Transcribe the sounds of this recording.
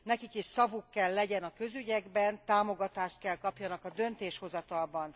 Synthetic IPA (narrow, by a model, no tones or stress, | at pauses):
nɛkikiʃsɒvukːɛlːɛɟɛnɒkø̞zyɟɛɡbɛnt̪aːmo̞ɡɒt̪aːʃt̪̚kɛlkɒpjɒnɒkɒd̪ø̞nt̪eːʃho̞zɒt̪ɒlbɒn